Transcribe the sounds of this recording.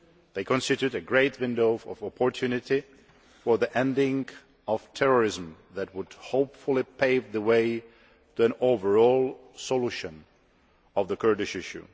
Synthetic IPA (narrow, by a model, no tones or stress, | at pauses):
ðeɪkʰɔ̃nsɪtjʉɾɨɡɹeɪtwɪ̃ndoʊɔ̰vɔpʰɔɹtʰjʉnɪti | fɔ˞ðiʔɛ̃ndɪ̃ŋ | ɔv̥tʰɛɹɔɹɪzm̩ | ðæt̚wʊd̥hoʊpfʊlˠipʰeɪvðəweɪ | tuæ̃noʊvə˞ɔlˠ | sɔluʃə̃n | ɔvðəkʰɜ˞dɪʃɪʃṵ